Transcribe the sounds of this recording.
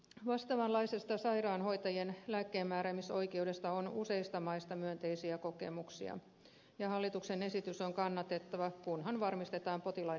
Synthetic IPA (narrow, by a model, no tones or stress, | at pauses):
ʋɑst̪ɑʋɑnlɑisest̪ɑsɑjrɑːnɦo̞jt̪ɑjenlæːkːeːmːæːɾæmiso̞ikeude̞st̪ɑonuse̞ist̪ɑmɑist̪ɑmyønt̪e̞isiæko̞kḛmuksḭɑ̰ | jɑhɑlːit̪uksene̞sit̪yso̞ŋkɑnːɑt̪e̞t̪ːɑʋɑkunɦɑnʋɑrmist̪et̪ɑːmpo̞t̪ilɑ